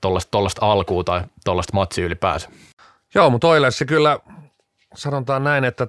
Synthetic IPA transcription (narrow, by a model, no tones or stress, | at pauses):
t̪olːɑst̪olːɑst̪ɑlkuːt̪ɑit̪olːɑst̪mɑt̪ʲsiylipæ̰ːsæ̥ | joːmut̪oilessekylːæ | sɑnot̪ɑːnnæinet̪ːæ